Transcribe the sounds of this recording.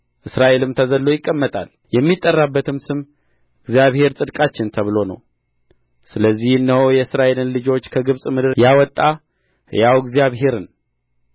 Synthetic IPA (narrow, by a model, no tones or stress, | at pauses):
ʔɨsɾaʔe̞lɨmt̪ʰəzəlːo̞jɪkʼːəmːət̪ʼa̰l | jɛmːit̪ʼːərːabːət̪ʰɨmsɨm | ɨɡzijaβhe̞ɾsʼɨd̪kʼat͡ʃːɪnt̪ʰəβɨlo̞nə̰w | sɨləzːihɨnːəhojɛɨsɾaʔe̞lɨnlɨd͡ʒo̞t͡ʃːkʰəɡɨβsʼmɨd̪ɨɾjawɔt̪ʼːa | jawɡzijaβɦe̞ɾɨn